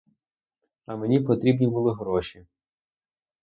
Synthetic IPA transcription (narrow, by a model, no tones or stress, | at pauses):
ɐmenʲipɔt̪ɾʲibnʲibʊlˠɪɦɾɔʃi